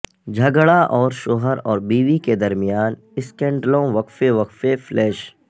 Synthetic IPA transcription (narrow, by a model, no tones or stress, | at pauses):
d͡ʒʱɐɡɭaʔɔːɾʃoːɦəɾɔːɾbiːʋiked̪ɐɾmijaːn | ɪskɛ̃ɳɖlõʋɐkfeʋɐkfeflɛːʃ